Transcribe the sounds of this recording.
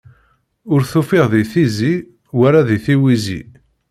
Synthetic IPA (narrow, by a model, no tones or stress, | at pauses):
ʊɾθufɪʁðiθizi | wæɾaðiθiwizḭ